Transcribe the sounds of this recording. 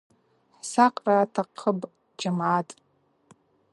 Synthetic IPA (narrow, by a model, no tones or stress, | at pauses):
ħsaqʼraːtʰaqʰəbʼ | d͡ʒamʕatʼ